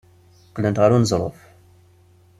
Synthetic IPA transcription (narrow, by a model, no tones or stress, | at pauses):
qːlənt̪ʁaɾunəzˤɾˤo̰f